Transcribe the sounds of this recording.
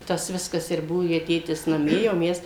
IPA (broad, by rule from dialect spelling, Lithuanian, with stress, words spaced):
ˈtɐs ˈʋʲɪskɐs ɪr ˈbuɔ jɛɪ ˈtʲeːtʲɪs nɐˈmʲiɛ jɛʊ ˈmʲɛs